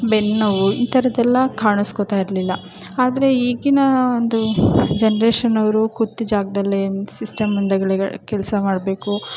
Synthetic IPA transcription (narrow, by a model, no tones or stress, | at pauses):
benːɐʋuiːt̪ɐɾɐd̪ɛlːɐkaːɳuskot̪aːjiɾɐlilːɐ | aːd̪ɐɾe̞iːɡinɐond̪ud͡ʒenɐɾeːʃɐnɐʋɐɾukut̪ːid͡ʒaːɡɐd̪ɐlːesisʈɐmɐnd̪ɐɡɐɭikɛlɐsɐmaːɽbe̞ːku